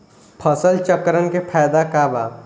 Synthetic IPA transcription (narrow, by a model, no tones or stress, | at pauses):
pʰəsəlt͡ʃəkɾənkepʰɛːjd̪akaːbaː